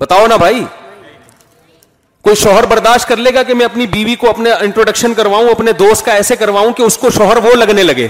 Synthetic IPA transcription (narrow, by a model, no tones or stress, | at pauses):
bɐt̪aːonabʱaːiː | koːiʃɔːɦəɾbɐɾd̪aːʃʈ̚kɐɾleːɡakemɛ̃ɐpnibiːʋikoɐpnaɪ̃ɳʈɾoːɖɐkʃənkɐɾʋaːũɐpned̪oːst̪̚kaɛːsekɐɾʋaːũkeʊskoʃɔːɦəɾʋolɐɡnelɐɡḛː